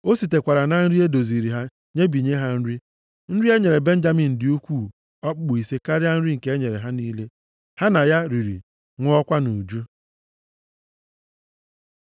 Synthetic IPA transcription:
o˦si˨te˨kʷa˨ɾa˨na˨n̩˦ɾi˦e˦do˨zi˨ɾi˨ɦa˦ | ɲe˦bi˨ɲe˦ɦa˦n̩˦ɾi˦ | n̩˦ɾi˦e˦ɲe˨ɾe˨be˦n̩˦d͡ʒa˦mi˨n̩˨dɪ˨o˦kʷu˦˨ | ɔ˦k͡pk͡pʊ˨i˨se˦ka˦ɾɪ˦a˦n̩˦ɾi˦ŋ̩˨ke˦e˦ɲe˨ɾe˨ɦa˦niː˦le˦ | ha˦na˨ja˦ɾi˨ɾḭ˨ | ŋʷʊ˦ɔ˦kʷa˦nu˨d͡ʒu˦

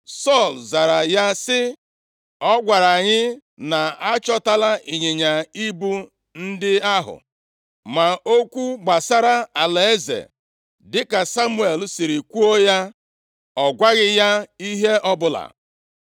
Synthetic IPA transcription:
sɔ˦˨lza˨ɾa˨ja˦sɪ˦ | ɔ˦ɡʷa˨ɾa˨ɲɪ˦ | na˨a˦t͡ʃɔ˦ta˦la˦ʔi˨ɲe˨ɲa˨i˦bu˦ | n̩˦dɪ˦a˦ɦʊ̰˨ | ma˨o˦kʷu˦ɡ͡ba˨sa˦ɾa˦a˨le˨e˦zḛ˨ | dɪ˦ka˨sa˦mu˦e˨lsi˨ɾi˨kʷu˦o˦ja˦ | ɔ˨ɡʷa˦ɣɪ˦ja˦i˦ɦe˦ɔ˦bʊ˨la̰˨

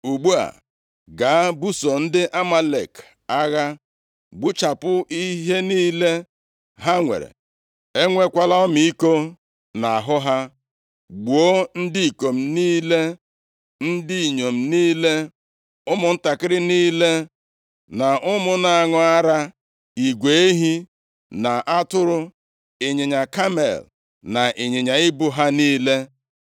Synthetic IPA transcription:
u˨ɡ͡bu˦a̰˨ | ɡa˨˦bu˦so˨n̩˦dɪ˦ʔa˦ma˦lḛ˨k | a˦ɣa˦ | ɡ͡bu˦t͡ʃa˨pʊ˦i˦ɦe˦niː˦le˦ | ɦa˦ŋʷḛ˨ɾḛ˨ | e˦ŋʷe˦kʷa˦la˦ɔ˦mi˨i˦ko˦ | na˨a˨ɦʊ˦ɦa˦ | ɡ͡bu˨o˦n̩˦di˦i˨ko˨m̩˨niː˦le˦ | n̩˦di˦i˨ɲo˨m̩˨niː˦le˦ | ʊ˦mʊ˨n̩˦ta˨kɪ˦ɾɪ˦niː˦le˦ | na˨ʔʊ˦mʊ˦na˨a˨ŋʊ˦a˦ɾa˦ | i˨ɡʷe˨e˦ɦi˦ | na˨ʔa˦tʊ˦ɾʊ˦ | e˨ɲe˨ɲa˨ka˦mḛ˨l | na˨ʔe˨ɲe˨ɲa˨ɪ˦bu˦ɦa˦niː˦le˦

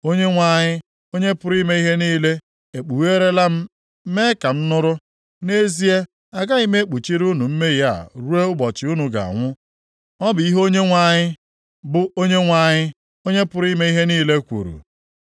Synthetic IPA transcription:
o˦ɲe˦ŋʷa˦ɲɪ˦ | o˦ɲe˦pʊ˦ɾi˦me˦i˦ɦe˦niː˦le˦ | e˨k͡pu˨we˦ɾe˦la˦m̩˦ | me˦ka˨m̩˦nʊ˦ɾʊ˦ | ne˦zi˦e˦ | a˨ɡa˦i˦me˦e˦k͡pu˨t͡ʃi˦ɾu˦nu˨m̩˦me˦ja̰˦˨ɾu˦e˦ʊ˦bɔ˨t͡ʃɪ˨u˦nu˨ɡa̰˨a̰˨ŋʷʊ˦ | ɔ˦bʊ˨i˦ɦo˦ɲe˦ŋʷa˦ɲɪ˦ | bʊ˦o˦ɲe˦ŋʷa˦˨ɲɪ˦ | o˦ɲe˦pʊ˦ɾi˦me˦i˦ɦe˦niː˦le˦kʷṵ˨ɾṵ˨

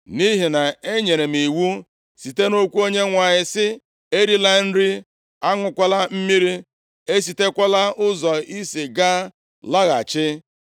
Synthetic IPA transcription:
ni˦ɦi˨na˨e˦ɲe˨ɾe˨mi˨wu˦ | si˨te˦no˦kʷu˦o˦ɲe˦ŋʷa˨ɲɪ˨sɪ˦ | e˦ɾi˦la˦n̩˦ɾi˦ | a˦ŋʷʊ˦kʷa˦la˦m̩˦mi˦ɾi˦ | e˦s̬i˨te˦kʷa˦la˦ʊ˦zɔ˨i˦si˨ɡa˦ | la˦ɣa̰˨t͡ʃɪ˦

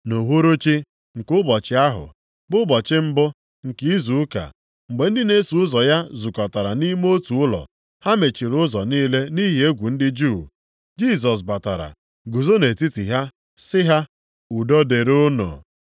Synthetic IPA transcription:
no˨ɦo˦ɾo˦t͡ʃi˦ | ŋ̩˨kʊ˦bɔ˨t͡ʃɪ˦a˦ɦʊ̰˨ | bʊ˦bɔ˨t͡ʃɪ˦m̩˦bʊ˦ | ŋ̩˨ki˦i˦zu˨ʊ˦ka̰˨ | ŋ͡m̩˨ɡ͡be˨n̩˦dɪ˦ne˦su˨ʊ˦zɔ˨ja˦zu˨kɔ˨ta˨ɾa˨ni˦m˦o˦tu˨ʊ˦lɔ̰˨ | ha˦me˨t͡ʃi˨ɾʊ˦zɔ˨niː˦le˦ni˦ɦi˨e˦ɡʷu˨n̩˦dɪ˦d͡ʒu˦˨ | d͡ʒi˦˨s̬ɔ˨s̬ba˨ta˨ɾa̰˨ | ɡu˨zo˦ne˨ti˦ti˨ɦa˦ | sɪ˦ɦa˦ | u˨dɔ˦de˨ɾʊ˦no̰˨

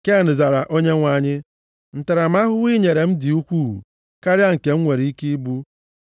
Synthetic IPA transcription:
ke˦a˨nɪ˨za˨ɾa˨ʔo˦ɲe˦ŋʷa˨ɲɪ˦ | n̩˨ta˨ɾa˨ma˦ɦʊ˦wi˦ɲe˨ɾe˨m̩˦di˨u˦kʷu˦ɦṵ˨ | ka˦ɾɪ˦a˦ŋ̩˨ke˨ŋ̩˦ŋʷe˨ɾi˨˦i˦ki˦i˦bu˦

